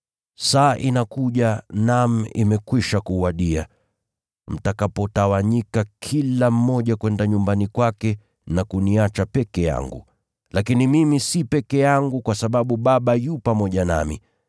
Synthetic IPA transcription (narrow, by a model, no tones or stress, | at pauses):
saːʔinakuʄanam̩ḭmɛkwiʃakuwaɗia̰ | m̩takapɔtawaɲikakʰilam̩mɔʄakwɛndaɲumbanikwakɛ | nakuniat͡ʃapɛkɛja̰ŋɡṵ | lakinimimisipɛkɛjaŋɡukwasaɓaɓuɓaɓajupamɔʄana̰mḭ